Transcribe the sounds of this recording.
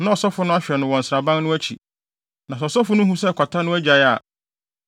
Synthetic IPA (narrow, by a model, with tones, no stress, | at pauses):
nã˦ɔ˨sɔ˦fʊ˦nʊ̃˦a˦ɕᶣɛ˨nʊ̃˨wɔ̃˨n̩˨sɾa˨bã˦nnʊ̃˦æ˦t͡ɕʰḭ˨ | nã˨sɔ˨sɔ˦fʊ˦nʊ̃˦ɦũ˦sɛ˦˨kʰʷɔ˨tʰa˦nʊ̃˦æ˦d͡ʑa˨ja˨